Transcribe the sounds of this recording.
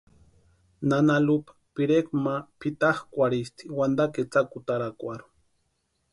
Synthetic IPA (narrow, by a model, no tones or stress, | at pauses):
nanalupḁpiɾekmapit̪aχkʷaɾist̪iwand̪aket͡sakut̪aɾakʷaɾu̥